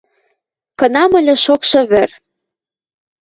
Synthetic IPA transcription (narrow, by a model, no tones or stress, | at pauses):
kɤ̆nɑmɤ̆lʲĕʃokʃɤ̆βɘ̆r